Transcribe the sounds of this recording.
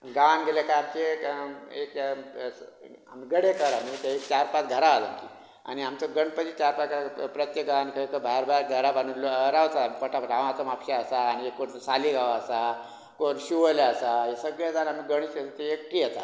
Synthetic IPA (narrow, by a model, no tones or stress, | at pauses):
ɡaʋanɡʱelekaamt͡ɕekek | a̰miɡəɽekəɾamit̪aekt͡ɕaɾpat̪ɡʱəɾaːlənkḭ | a̰ñiamt͡səɡəɳɖpətit͡ɕaɾpat̪kapɾət̪jek̚ɡaankʰəkəbʱaɾbʱaɾɡʱəɾabanuloɾaʋt͡s̪aamikəʈʰapəʈãʋ̃at͡somapɕaəsaːñiekːoɽsaliɡʱaʋaəsa | koɾɕiʋəlaəsajesəɡɭjed͡zanamiɡəɽ̃it͡ɕesat̪eekʈijet̪a̰